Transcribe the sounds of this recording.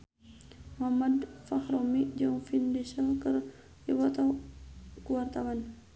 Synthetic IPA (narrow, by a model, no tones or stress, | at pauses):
mamadfahɾɔmiʔd͡ʒɔŋfindɛsalkər | iwat̪a | kuwart̪awan